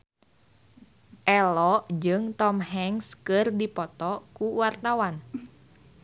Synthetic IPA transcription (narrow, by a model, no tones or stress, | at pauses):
ʔɛlɔʔd͡ʒɨŋt̪ɔmɦɛŋskɨrdipɔt̪ɔkuwart̪awan